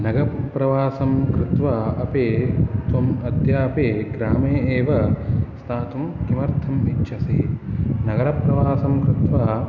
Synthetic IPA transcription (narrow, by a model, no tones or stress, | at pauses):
nɐɡɐppɾɐʋaːsɐmkɾɪt̪ʋaɐpeːt̪ʋɐmɐd̪ʱjaːpeːɡɾaːmeːeːʋɐst̪ʰaːt̪umkimɐɾt̪ʰɐmit͡ʃːʃʰɐsḭnɐɡɐɾɐpɾɐʋaːsɐmkɾɪt̪ʋaː